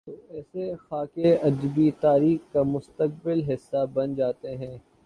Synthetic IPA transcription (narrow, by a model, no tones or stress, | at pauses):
oɛːsexaːkeɐd͡ʒbit̪aːɾiːxkamʊst̪ək̚bɪlɦɪsːabɐnd͡ʒaːt̪eɦɛ̃ː